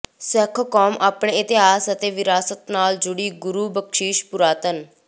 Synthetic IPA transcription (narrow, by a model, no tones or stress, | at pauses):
sɛkʰkɔːmʔaːpɳeːɪt̪ɪɦaːsət̪eːʋɪɾaːsət̪naːld͡ʒʊɽiːɡʊɾuːbəkʃiːʃpʊɾaːt̪ən